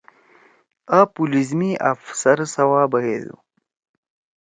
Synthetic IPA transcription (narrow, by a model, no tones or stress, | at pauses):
aːpulizmiʔɐ̰fsɐɾsɐwaːbɐɦed̪ṵ